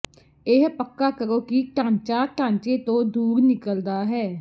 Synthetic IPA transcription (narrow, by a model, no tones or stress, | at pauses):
ɪɦpəkːaːkəɾoːkiʈãːɲt͡ʃaːʈãːɲt͡ʃeːt̪õːd̪uːɾnɪkəld̪aːɦɛː